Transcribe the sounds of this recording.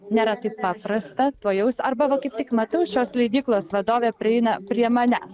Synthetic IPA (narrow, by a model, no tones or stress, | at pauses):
nʲeːɾɐt̪ɐɪppɑːpɾɐst̪ɐt̪oːjɛʊsɐɾbɐʋɐkɐɪp̚t̪ʲɪkmɐt̪ɐʊʃʲoːslʲɛɪd̪ʲiːklˠoːsʋɐd̪oːʋʲeːpʲɾʲɪɛɪnɐpʲɾʲiɛmɐnʲæ̰ːs